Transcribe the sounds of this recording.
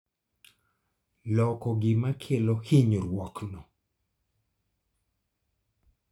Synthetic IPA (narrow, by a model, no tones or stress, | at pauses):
lɔkɔɡɪmakʰelɔhiɲoɾwɔknɔ